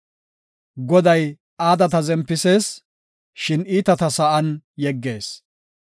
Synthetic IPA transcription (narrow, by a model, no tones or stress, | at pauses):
ɡɔd̪ɐj | aːd̪ɐt̪ɐzɛmpːɪse̞ːs | ʃɪniːt̪ɐt̪ɐsɐʔɐnjɛɡːe̞ːs